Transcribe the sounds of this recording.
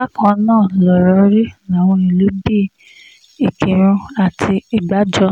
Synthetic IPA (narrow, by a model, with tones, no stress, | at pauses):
a˦kã˧˦nãː˦˨lɔ˨ɾɔ˧˦ɾi˦la˨w̃ɔ̃˧i˨lo˨˦bi˦˨ | i˨ki˨ɾ̃ũ˧a˨tʰi˧i˨ɡ͡ba˨˦d͡ʒɔ˧